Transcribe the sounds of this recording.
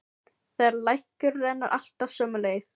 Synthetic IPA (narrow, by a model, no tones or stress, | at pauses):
θaaɾlajhkʏɾːɛnːa̰ɾʔa̰l̥t̪avsœːmʏleːjθ